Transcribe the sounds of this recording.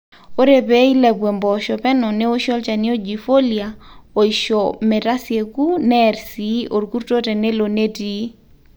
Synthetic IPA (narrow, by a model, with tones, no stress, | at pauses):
o˦ɾe˨be˦i˦lɛ˨bwe˨mbɔ˨ʃɔ˨pɛ˦nɔ˨ne˦o˦ʃɔ˦lt͡ʃa˨nɪ˦o˦d͡ʒi˨fo˦lia˨o˨iʃɔmɛ˨ɾa˦sje˨ku˦nɛ˨ɾsi˨˦ʔo˨ɾku˦ɾto˦tɛ˨nɛ˦lo˨ne˦ti˦